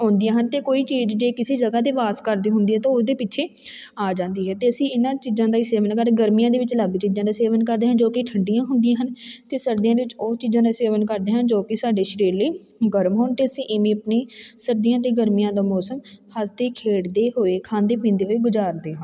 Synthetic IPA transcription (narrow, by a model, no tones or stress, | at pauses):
ɦʊ̃ːnd̪ɪjãːɦənt̪eːkoːiːt͡ʃiːd͡ʒd͡ʒeːkɪseːd͡ʒəɡaːt̪eːʋaːskəɾd̪iːɦʊnd̪iːɦɛːt̪õːʊsd̪eːpɪʃʰeː | aːd͡ʒãːnd̪iːɦɛːt̪eːəsĩːɪnãːt͡ʃiːzãːd̪aːiːseːʋənkəɾɡəɾmijãːd̪eːʋɪt͡ʃləɡt͡ʃiːzãːd̪aːseːʋənkəɾd̪eːɦənd͡ʒoːkɪʈʰəɳɖɪjãːɦʊnd̪ɪjãːɦənt̪eːsəɾd̪ijãːd̪eːʋɪt͡ʃoːt͡ʃiːzãːd̪aːseːʋənkəɾd̪eːɦənd͡ʒoːkɪsaːɖeːʃɾiːɾləiː | ɡəɾmɦoːnt̪eːəsĩːʔɪmẽːəpnĩːsəɾd̪ijãːt̪̬eːɡəɾmijãːd̪aːmɔːsəmhəsd̪eːkʰeːɽd̪eːɦoːeːkʰãːnd̪eːpĩːnd̪eːɦoːeːɡʊd͡ʒaːɾd̪eːɦən